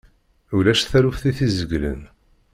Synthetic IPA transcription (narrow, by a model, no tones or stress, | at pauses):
ulæʃθæɾufθiθizəɡlə̰n